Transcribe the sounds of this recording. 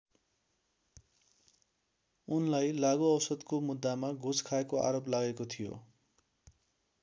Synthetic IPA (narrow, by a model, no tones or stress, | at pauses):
unlajlaɡoʌwsʌd̪komud̪ːamaɡʱud͡zkʰaekoʔa̰ɾoplaɡekot̪ʰijo̰